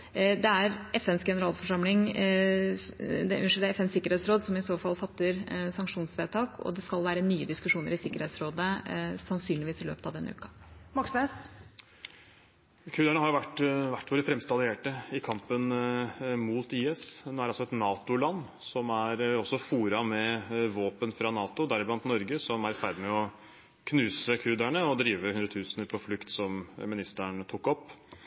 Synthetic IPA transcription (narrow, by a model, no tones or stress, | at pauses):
d̪ɛæɾɛfɛnsɡɛnəɾɑːlfɔʂɑmlɪŋ | d̪ɛʔʉʂɛt̪əɛfɛnsɪkːəɾheːt̪sɾoːd̪sɔmɪsoːfɑlːfɑt̪ːəɾsɑŋkʂuːnsʋeːt̪ʰɑːkʰɔ̰d̪ɛskɑlʋæːɾənyːəd̪ɪskʉʂuːnəɾɪsɪkːəɾheːt̪sɾoːd̪əsɑnsyːnlɪʋiːsɪlø̰ːpət̪ɑʋd̪ɛnːəʉ̰ːkɑ̥mɑksʋɛs | kʰʉːd̪æɳəhɑɾjʊʋæʈːʋæʈːʋoːɾəfɾɛmst̪ɑlɪeːʈəɪkʰɑmpən | muːt̪iːɛsnoːæɾɑlsɔɛt̪nɑːt̪ʊlɑnːsɔmæɾɔsːɔfuːɾɑmɛʋoːpənfɾɑnɑːt̪ʊd̪æɾɪblɑnt̪nɔɾɡəsɔmæɾfæɾd̪ɪmɛɔ | kʰnʉːsəkʰʉːd̪æɳəɔd̪ɾiːʋəhʉnd̪ɾət̪ʰʉːsnəɾpʰɔflʉkt̪sɔmmɪnɪst̪æɳt̪ʰʊkːɔpː